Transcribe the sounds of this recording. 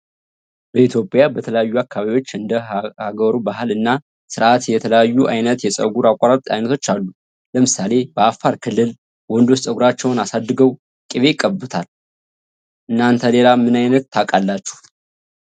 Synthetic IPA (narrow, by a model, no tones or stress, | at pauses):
bəit̪ʰjo̞pʼjabət̪ʰələjajːuakʰːaβaβijwo̞t͡ʃːɨnd̪əhaɡəɾubaɦɨlɨnːa | sɨɾʔat̪jɛt̪ʰələjajːuʔajnət̪jɛsʼə̰ɡuɾakʷʼːaɾat̪ʼa̰jnət̪ʰo̞t͡ʃːalːu | ləmɨsale̞bəafːaɾkʰɨlːɨl | wɔnd̪ost̪ʼəɡuɾat͡ʃːɛwnasad̪ːɨɡəw | kʼiβe̞kʼːəbɨt̪ʰal | ʔɨnːant̪ʰəle̞lamɨnajnət̪ʰːakʼalːat͡ʃːu̥h